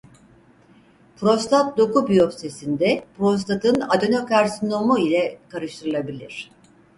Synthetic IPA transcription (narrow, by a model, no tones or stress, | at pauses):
pʰɾo̞st̪ʰat̪̚d̪o̞kubyjofst̪esind̪ɛpɾo̞s̬t̪ʰat̪ʰɯnad̪o̞nokaɾsino̞muilʲɛkaɾɯʃt̪ʰɯɾɯlˠabilʲiɾ̝̥